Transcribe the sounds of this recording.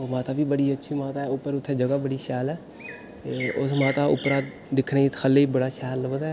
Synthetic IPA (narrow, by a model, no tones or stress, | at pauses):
oːmaːt̪aːʋiːbəɽiːətːʃʰiːmaːt̪aːɛːʊpːəɾʊt̪ʰːɛːd͡ʒəɡaːbəɽiːʃɛːlɛː | t̪eːʊsmãːt̪aːʊ̰pɾaː | d̪ɪkʰneːt̪xʰəlːeːiːbəɽaːʃɛːɾləbəd̪ɛː